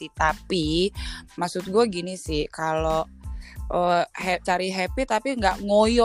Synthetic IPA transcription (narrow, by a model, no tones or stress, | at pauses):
it̪api | masʊt̪̚ɡuɛɡinisɪhkalo | ʔəhɛt͡ʃaɾiɦɛpit̪apiŋɡaʔŋojɔ